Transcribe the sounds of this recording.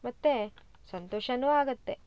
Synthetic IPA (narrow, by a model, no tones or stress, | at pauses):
mɐt̪ːe | sɐnt̪oːʃɐnuːaːɡɐt̪ːe